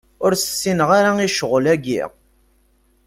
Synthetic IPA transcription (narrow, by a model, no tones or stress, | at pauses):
ʊɾsə̥sːinəʁaɾaiʃəʁəlæɡḭʁ